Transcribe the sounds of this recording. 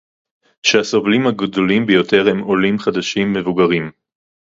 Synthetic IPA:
ʃeaso̞vlimhaɡdo̞limbejo̞te̞ʁhe̞mo̞limχad̪aʃimːevuɡaʁim

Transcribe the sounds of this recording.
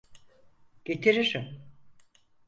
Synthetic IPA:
ɟ̥e̞t̪ʰiɾiɾim

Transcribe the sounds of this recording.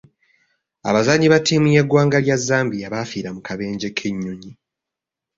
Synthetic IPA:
a̰βazaɲiβatʰiːmujeɡwaːŋɡaljazːaːmbiaβaːfiːɾamukʰaβe̞ːɲɟe̞kʰe̞ɲːuɲi

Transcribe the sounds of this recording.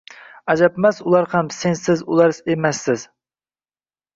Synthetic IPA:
æd͡ʒapmasʊlˠɑɾhamsensɪzʊlˠɑɾsemæsːɪz

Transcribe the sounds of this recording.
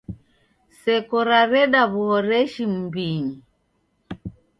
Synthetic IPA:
sɛkɔɾaɾɛɗaβuhɔɾɛʃim̩biɲi

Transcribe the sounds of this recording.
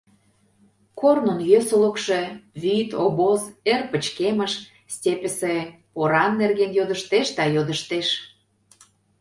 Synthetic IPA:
kornonjøsə̆lə̆kʃĕβit̪oβozerpə̆t͡ɕkeməʃ | stʲepʲə̆sĕ | poɾɑnːerɣenjod̪ə̆ʃt̪eʃd̪ɑjod̪əʃt̪eʃ

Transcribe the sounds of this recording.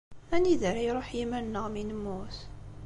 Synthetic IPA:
æniðəɾajɾˤoħjimænnːəʁminəmːuθ

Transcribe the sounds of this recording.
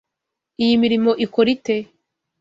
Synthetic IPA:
ijimiɾimo̞ʔikoɾite

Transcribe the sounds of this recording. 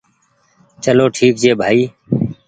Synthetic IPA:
t͡ʃəloːʈʰiːkd͡ʒeːbʱaːiː

